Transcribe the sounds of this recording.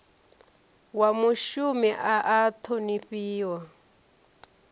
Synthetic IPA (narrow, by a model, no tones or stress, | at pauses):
wamuʃumiʔaʔːt̪ʰoniɸiːwa